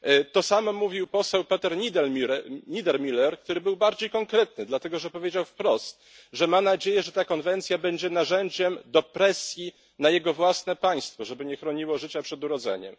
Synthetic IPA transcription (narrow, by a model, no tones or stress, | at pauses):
t̪ɔsamɔmuvʲiwpɔsɛwpɛt̪ɛɾɲid̪ɛɲid̪ɛɾmʲilɛɾk̚t̪uɾɘbɘwbaɾd͡ʑejkɔŋkɾɛt̪nɘd̪lat̪ɛɡɔʐɛpɔvʲjed͡ʑawfpɾɔst̪ | ʐɛmanad͡ʑejɛʐɛt̪akɔnvɛnt̪sʲjabɛɲd͡ʑɛnaʐɛɲd͡ʑɛmd̪ɔpɾɛsʲji | najɛɡɔvwasnɛpaj̃st̪fɔʐɛbɘɲɛxɾɔɲiwɔʐɘt͡ɕapʂɛd̪uɾɔd̪zɛ̰ɲɛ̰m